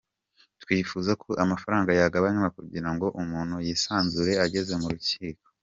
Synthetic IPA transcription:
twiːfuzakʰoʔamafaɾaːŋɡajaɡaβaɲamakuɟiɾaŋɡo̞ʔumuːn̥hujiːsaːnzuɾe̞aɟe̞ze̞muɾuciːko

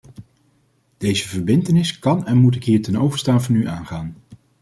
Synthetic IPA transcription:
d̥ejzəvəɹbɪntənɪskɑnɛnmut̬ɪkɦiːɹtɛnowvəɹstaːnvɑnyʔaːnχaːn

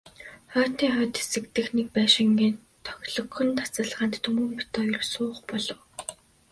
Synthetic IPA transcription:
χœːt̪iːŋχœːt̪e̥sɘ̆kt̪ɘ̆xnek̚pæːʃɪ̆ŋɡiːn | t̪ʰːœ̥xʲɮɞ̆xɞ̆nt̪ʰḁt͡sə̆ɮʁaːnt̪t̪ʰːɵmɵ̆mpi̥t̪ɔːjɵrsʊːχpɔɮɞ̆w

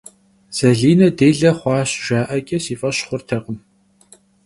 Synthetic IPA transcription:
z̥ɐɮiːnɐdeːɮɐχʷɑːɕʒaːʔɐkʲʼɐsiːfʼɐɕχʷʊrtʰɐqəm

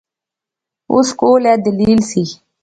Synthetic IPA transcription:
ṵskoːlɛd̪əliːlsi

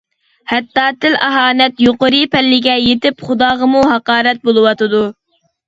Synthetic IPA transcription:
hɛt̪ːɑːt̪ʰɪlʔæɦɑːnɛt̪joqəɾɨpʰɛlːɪɡʲɛjet̪ɪpχʊd̪ɑːʁɑmuɦɑqɑːɾɛt̪̚bolˠɨwɑt̪ɨd̪u

